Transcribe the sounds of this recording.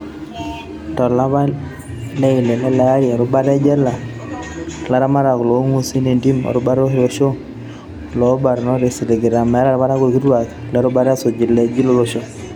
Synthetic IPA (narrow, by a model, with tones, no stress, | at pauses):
tɔ˨la˦ba˦ | lɛ˦ɪ˨lɛ˨lɛ˦la˨˦ɾja˨ɾʊ˦ba˦ɾɛ˦d͡ʒɛ˦la˨ | la˦ɾa˦ma˦ɾa˨klo˨˦ŋu˦si˦ne˨ndi˦mɔ̰˨ɾʊ˦ba˦ɾo˦hi˦ɾo˦˨ʃo˦ | lɔ˨˦ba˨ɾnɔ˦ɾe˨si˨le˨ɡɪ˨ɾa˨mɛ˨˦la˦ɾba˦ɾa˦ko˨ki˦twa˨k | lɛ˦ɾʊ˦ba˦ɾɛ˦so˨d͡ʒɪ˨lɛ˦d͡ʒi˦lo˦ɾo˦ʃo˦